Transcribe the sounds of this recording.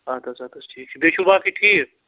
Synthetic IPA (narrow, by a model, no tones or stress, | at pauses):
at̪ʰat͡ʃʰat̪ʰoʈʰiːkbeʃubaːkiʈʰiːk